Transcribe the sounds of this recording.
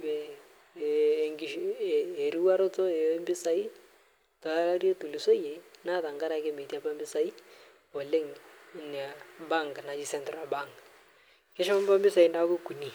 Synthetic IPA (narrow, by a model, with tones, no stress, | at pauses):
ɛ˨ | ŋɡi˨ʃː | ɾi˦wa˦ɾɔ˦t͡sɔ˦e˨˦mbɪ˦sa˨i˦ | tɔ˨la˦la˦ɾje˦tu˨li˨so˦je˨na˦ða˨ŋɡa˦ɾa˨˦ke˦me˨ti˦a˦ba˦mbɪ˦sa˨i˦ | ɔ˨le˦ŋn˨a˨ba˦ŋɡna˨d͡ʒi˦sɛ˦ntɾa˨ba˦˨ŋɡ | kɛ˦ʃɛ˦ma˦mba˦mbɪ˦sa˨i˦na˦ku˦ku˨ni˨